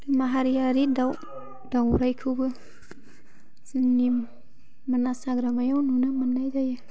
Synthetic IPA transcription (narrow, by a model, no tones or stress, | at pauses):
ɾɯmaɦaɾijaɾidaw | dawɾajkʰɯbɯ | zɯŋni | manasaɡɾamajawnunɯmanːajzajɯ